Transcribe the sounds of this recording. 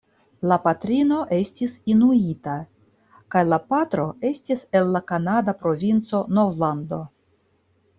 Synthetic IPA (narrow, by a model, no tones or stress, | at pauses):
lapatɾino̞ʔe̞stisinuita | kajlapat̪ɾo̞e̞stise̞lːakanadapɾo̞vint͡so̞no̞vlando̞